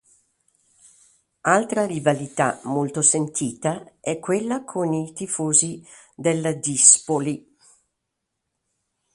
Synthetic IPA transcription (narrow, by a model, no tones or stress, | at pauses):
alt̪ɾaɾivalit̪a̰molt̪osent̪ʰiːt̪aɛkːwelːakʰonit̪ifoːzi | d̪elːad̪ispoli